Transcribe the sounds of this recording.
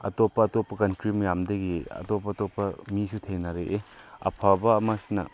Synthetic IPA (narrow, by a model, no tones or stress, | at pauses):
ɐ̰topːɐːtopːɐkɐntɾimɐjamdɐɡiɐ̰topːɐtopːɐmisutʰeŋnɐɾeʔeɐ̰pʰabɐːmasinɐ̰